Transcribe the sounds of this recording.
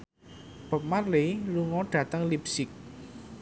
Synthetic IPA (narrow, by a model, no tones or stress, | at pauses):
b̥ə̤p̚marleluŋɔɖ̥ä̤t̪əŋlipsɪk̚